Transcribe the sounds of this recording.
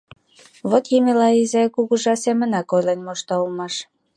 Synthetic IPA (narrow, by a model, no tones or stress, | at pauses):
βot̪jimelɑizekuɣuʒɑsemə̆nɑkojlenʲmoʃt̪ɑlmɑʃ